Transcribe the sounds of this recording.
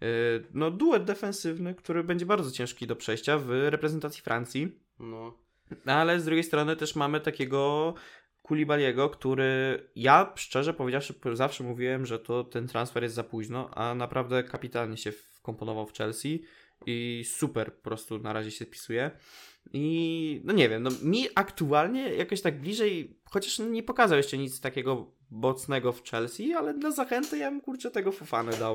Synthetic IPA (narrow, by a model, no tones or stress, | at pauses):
nɔd̪uwɛd̪̚d̪ɛfɛñsɘvnɘkt̪uɾɘbɛɲd͡ʑɛbaɾd̪zɔt͡ɕɛ̃ʂkʲid̪ɔpʂɛjɕt͡ɕavɾɛpɾɛzɛnt̪at̪sʲifɾʔant̪sʲi | alɛzd̪ɾuɡʲejst̪ɾɔnɘt̪ɛʂmamɘt̪akʲɛɡɔ | kulʲibalʲjɛɡɔkt̪uɾɘjaʂt͡ʂɛʐɛpɔvʲjed͡ʑawʂɘzafʂɛmuvʲiwɛmʐɛt̪ɔt̪ɛnt̪ɾansfɛɾjɛst̪zapuʑnɔʔa̰napɾʔavd̪ɛkapʲit̪alɲɛɕɛf | kɔmpɔnɔvawft͡ʂɛlsʲi | isupɛɾpɔ̥pɾɔst̪unaɾaʑɛɕɛspʲi̥sujɛ | inɔɲɛvʲjɛmnɔmʲiʔakt̪ualɲɛjʔakɔɕt̪aɡ̚blʲiʐɛjxɔt͡ɕaʂɲɛpɔkazawjɛʂt͡ʂɛɲit̪st̪akʲɛɡɔ | bɔt̪snɛɡɔft͡ʂɛlsʲialɛd̪lazaxɛnt̪ɛjamkuɾt͡ʂɛt̪ɛɡɔfufanɛd̪aw